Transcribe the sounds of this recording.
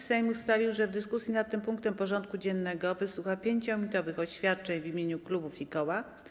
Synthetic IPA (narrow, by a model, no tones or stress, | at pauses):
sɛjmust̪avʲiwʐɛvd̪ɘskusʲjinat̪̚ːɘmpuŋk̚t̪ɛmpɔʐɔnt̪̚kud͡ʑɛnːɛɡɔvɘswuxapʲjeɲt͡ɕɔmʲit̪ɔvɘxɔɕfʲjat̪̚t͡ʂɛɲvimʲjeɲuklubufikɔwa